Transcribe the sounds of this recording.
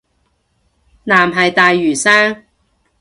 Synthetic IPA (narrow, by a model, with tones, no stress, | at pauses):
naː˨˩mɦɐ˨jt̪aː˨jːyː˨˩saː˥ŋ